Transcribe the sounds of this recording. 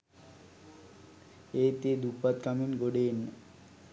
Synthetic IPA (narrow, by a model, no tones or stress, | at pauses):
eːt̪eːd̪upat̪kaminɡoɖenːə